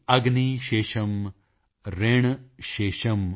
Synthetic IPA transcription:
ɐɡniʃeːʃɐm | ɾeːɳ̃ʃeːʃɐm

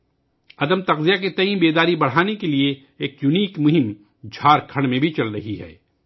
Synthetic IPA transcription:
ɐd̪əmt̪ɐqzijaket̪ɐĩːbeːd̪aːɾibɐɽ̤aːnekelieː | kjʊniːkmʊɦɪm | d͡ʒʱaːɾkʰɐ̃ɽ̃mẽbʱit͡ʃɐlɾɐɦiɦɛ̰ː

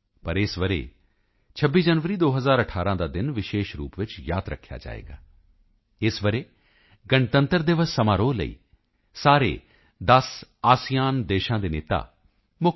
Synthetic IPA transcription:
pəɾɪsʋəɾḛː | t͡ʃʰəbːiːd͡ʒənʋəɾiːd̪oːɦəzaːɾəʈʰaːɾãːd̪aːd̪ɪnʋɪʃeːʃɾṵːpʋɪt͡ʃjaːd̪ɾə̰kʰːja̰ːd͡ʒa̰ːḛːɡa̰ː | ɪsʋəɾeː | ɡəɳt̪ə̃nt̪əɾd̪eːʋəsəmaːɾoːlə̰ḭː | saːɾḛː | d̪əs | aːsijaːnd̪eːʃãːd̪eːneːt̪a̰ː | mʊ

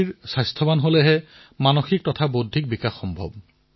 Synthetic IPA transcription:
iɹsajstʰɔbanɦolɛɦɛ | manoxik̚tɔtʰabodʱik̚bikaxːɔmbʱɔ̰b

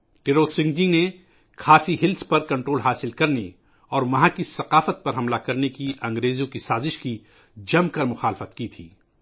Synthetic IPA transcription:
ʈɪɾoːsɪ̃ŋɡd͡ʒine | kʰaːsiɦɪlspɐɾkɐ̃ɳʈɾoːlɦaːsɪlkɐɾne | ɔːɾmɐɦãkisɐqaːfət̪̚pɐɾɦɐmlakɐɾnekiʔɐ̃ŋɡɾeːzjõkisaːzɪʃki | d͡ʒɐmkɐɾmʊxaːlɪfət̪kit̪ʰiː

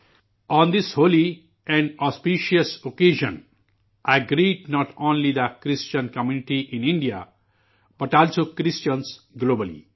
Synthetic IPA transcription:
ɔ̃nd̪ɪshoːli | ɛ̃ɳɖɔspiʃiəsokeːʒə̰̃n | ʔaɪɡɾiːɖnɔʈʰõːnlid̪əkɾɪst͡ʃə̃nkəmjunɪʈiʔɪ̃nɪ̃ɳɖija̰ | b̥ʌʈɔːlsoːkɾɪst͡ʃə̃ns | ɡloːbəlḭ

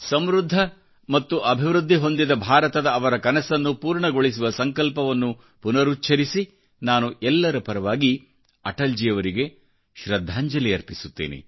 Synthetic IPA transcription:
sɐmɾud̪ʱːɐ | mɐt̪ːuʔɐbʱiʋɾud̪ʱːiɦo̞nd̪id̪ɐbʱaːɾɐt̪ɐd̪ɐːʋɐɾɐkɐnɐsɐnːupuːɾɳɐɡoɭis̬uʋɐsɐŋkɐlpɐʋɐnːu | punɐɾutːt͡ʃʰːɐɾisi | naːnuʔɛlːɐɾɐpɐɾɐʋaːɡi | ɐʈɐld͡ʒijɐʋɐɾiɡe̞ | ʃɾɐd̪ʱːaːɲd͡ʒɐlijɐɾpisut̪ːḛːnḛ

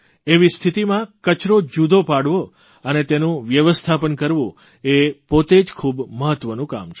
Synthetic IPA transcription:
eʋist̪ʰit̪imãkət͡ʃɾod͡ʒud̪ʱopaɽʋo | ənet̪enũʋjəʋəst̪ʰapənkəɾʋṵ̃ | epot̪ed͡ʒkʰubməɦət̪ːʋənũka̰mt͡ʃʰ

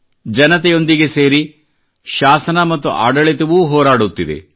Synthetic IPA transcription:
d͡ʒɐnɐt̪ɛjo̞nd̪iɡe̞se̞ːɾi | ʃaːsɐnɐmɐt̪ːuʔa̰ːɖɐɭit̪ɐʋuːɦɔːɾaːɽut̪ːid̪ḛ

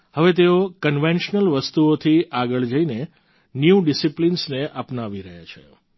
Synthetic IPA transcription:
həʋet̪eokənʋẽnʃnəlʋəst̪uot̪ʰiʔaɡəɭd͡ʒəine | njuɖisiplinsneʔapnaʋiɾəɦja̰t͡ʃʰḛ

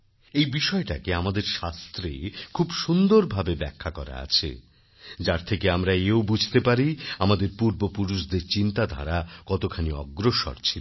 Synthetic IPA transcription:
ejbiʃɔeʈakeamad̪eɾʃast̪ɾekʰubʃund̪oɾbʱabebɛ̰kʰːakɔ̰ɾa̰a̰t͡ɕʰḛ | d͡ʑaɾt̪ʰekeamɾaeobud͡ʑʱt̪epaɾiamad̪eɾpuɾbopuɾuʃd̪eɾt͡ɕint̪ad̪ʱa̰ɾakɔt̪okʰaniɔ̰ɡɾoʃo̰ɾt͡ɕʰil

